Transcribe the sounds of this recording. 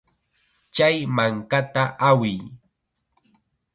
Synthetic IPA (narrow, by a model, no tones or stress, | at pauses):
t͡ʃajmaŋkat̪aʔawɪj